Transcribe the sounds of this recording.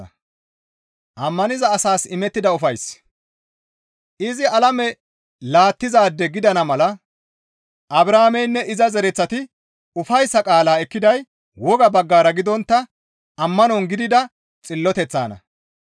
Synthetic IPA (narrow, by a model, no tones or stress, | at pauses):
ʔɐmːɐnɪzɐːsaːsɪmɛt̪ːɪd̪ɐʊfɐjs | ʔɪzɪɐlɐmɛ | laːt̪ːɪzaːd̪ːɛɡɪd̪ɐnɐmɐlɐ | ʔɐbɾaːmɛjnːɛʔɪzɐzɛɾɛt͡sːɐt̪ɪ | ʊfɐjsːɐkʼaːlaːɛkːɪd̪ɐj | wɔɡɐbɐɡːaːɾɐɡɪd̪ɔnt̪ːɐ | ɐmːɐnɔŋɡɪd̪ɪd̪ɐ | t͡sʼɪlːɔt̪ɛt͡sːa̰ːnɐ̰